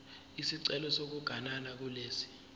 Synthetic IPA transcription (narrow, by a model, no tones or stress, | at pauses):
isiǀɛlɔsok̬uɡ̥ʱanalak̬uleːsi̥